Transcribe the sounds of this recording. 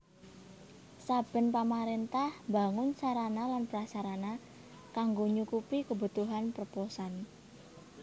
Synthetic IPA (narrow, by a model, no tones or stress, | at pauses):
sab̥ə̤npamaɾent̪ahmbaŋʊnsaɾanalanpəɾasaɾana | kaŋɡoɲukupikəbṳt̪uɦanpɾpɔsan